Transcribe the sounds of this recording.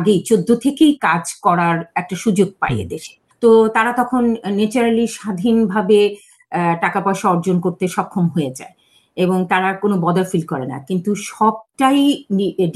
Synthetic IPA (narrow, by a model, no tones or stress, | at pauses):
ɡejt͡ɕod̪ʱːot̪ʰekejkad͡ʑkɔɾaɾɛk̚ʈaʃud͡ʑoɡ̚pa̰jḛd̪eʃe̥ | t̪ot̪aɾat̪ɔkʰonːet͡ɕuɾaliʃad̪ʱinbʱabe | ʈakapɔeʃaɔɾd͡ʑonkoɾt̪eʃɔkʰːomɦojed͡ʑa̰e | eboŋt̪aɾakonobɔd̪aɾfilkɔɾena̰kint̪uʃɔb̚ʈajɖ